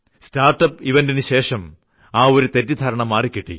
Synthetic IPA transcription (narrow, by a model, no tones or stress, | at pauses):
staːrʈːɐpiʋendinɨɕe̞ːʂɐm | aːo̞ɾut̪etːud̪ʱaːɾɐɳɐmːaːrikʲːiʈːḭ